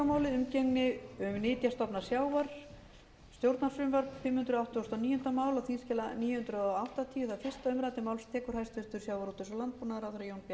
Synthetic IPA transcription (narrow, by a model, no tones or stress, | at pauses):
amaːwlɪðʏmceŋnɪʏmnɪːt̪jast̪ɔpnḁsjaːwvaɾ̥ | st̪jowɾt̪nasʏmvaɾfɪmhʏnt̪ɾʏawht̪ʏɔst̪ɔniːjʏnt̪amaːwlaθinscɛːlaniːjʏhʏnt̪ɾʏɔawht̪at̪ʰiːjʏθaðfɪr̥st̪aʏmɾat̪ɪmaːwlst̪ʰɛːkʏɾhajst̪vʏlt̪ʏɾ̥sjaːwvaɾut̪ʏsɔlant̪̚puːnaðɾaʏɾajownpja